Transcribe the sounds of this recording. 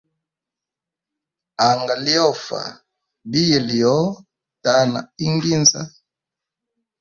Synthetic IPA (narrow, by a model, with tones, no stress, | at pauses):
a˨ŋɡa˨li˦ɔ˦˨fa̰˨ | bi˦jɛ˨li˨jɔ˨˦ | ta˦na̰˨i˦ŋɡi˦nza˦